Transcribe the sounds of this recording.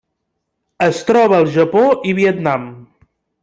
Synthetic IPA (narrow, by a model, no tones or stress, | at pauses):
əst̪ɾɔβ̞əːlˠʒəpoiβiət̪nam